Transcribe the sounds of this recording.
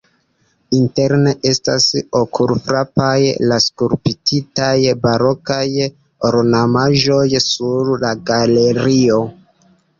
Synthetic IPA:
inte̞ɾneʔe̞sta̰sokʰuɾfɾapajlaskuɾpititajbaɾo̞kaj | oɾnamaʒo̞jsuɾlaɡaleɾio̞

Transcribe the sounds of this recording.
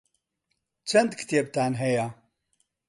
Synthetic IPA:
t͡ʃʰɐnd̪kʰɨ̥t̪eb̚t̪aːnɦɛja

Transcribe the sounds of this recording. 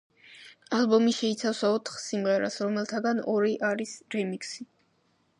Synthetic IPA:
albɔmiʃɛit̪sʰafsaɔt̪ʰχsimʁɛɾasɾɔmɛlˠt̪ʰaɡanɔɾiʔaɾisɾɛmiksi

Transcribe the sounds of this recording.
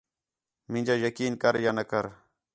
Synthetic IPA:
mɪ̃nd͡ʒaːjəkiːnkəɾjaːnəkəɾ

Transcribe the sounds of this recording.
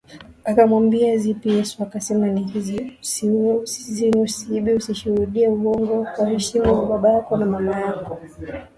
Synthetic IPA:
akamwambiazipijɛsuakasɛmaniiziusiusizinusiiɓiusiʃuhuɗiɛuɔŋɡɔkwahɛʃimaɓaɓajakɔnamamajakɔ

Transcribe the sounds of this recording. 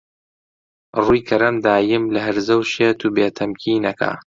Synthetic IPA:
ruːjkʰɐɾɐmd̪aːjɪmlɐɦɐɾzɐwʃeːt̪uːbeːt̪ʰɐmcʰiːnɐkʰa̰ː

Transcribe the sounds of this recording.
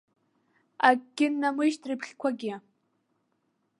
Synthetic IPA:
akɡʲɪnːamɨʃtʰrɨpʰχʲkʷʰaɡʲɪ

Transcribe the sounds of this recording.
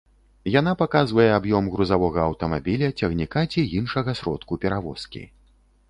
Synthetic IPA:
janapakazvɐjɛabjɔmɣɾuzavɔɣɐːwt̪ɐmabʲilʲɐt͡sʲɐɣnʲikat͡sʲiinʂɐɣɐsɾɔ̰t̪kupʲɛɾavɔskʲḭ

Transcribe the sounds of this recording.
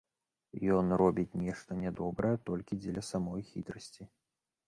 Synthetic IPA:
jɔnrɔbʲit͡sʲnʲɛʂt̪ɐnʲɛd̪ɔbɾɐjɛt̪ɔlʲkʲid͡zʲɛlʲɐsamɔjxʲit̪ɾɐsʲt͡sʲi

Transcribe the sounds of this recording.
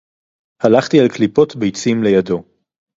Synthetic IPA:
halaχt̪ialklipo̞tbejt͡simle̞jado̞

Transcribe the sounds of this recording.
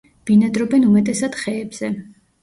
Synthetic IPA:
b̥inad̪ɾɔbɛnumɛt̪ʼɛsad̪̥χɛːbz̥ɛ

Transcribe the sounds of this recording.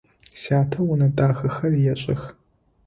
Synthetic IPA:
saːtʰɐwʊnɐdʼaːxɐxɐrjɛɕʼɐx

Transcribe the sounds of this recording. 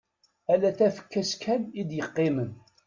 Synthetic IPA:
ælæθæfə̥kːæskʰænid̪jəqːemən

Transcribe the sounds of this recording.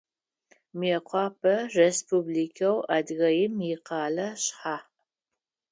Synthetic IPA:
mɛqʷʰɑːpʰɐrespublikʰɐwadɣɐjɪmjɪqɑːlɐɕħaː

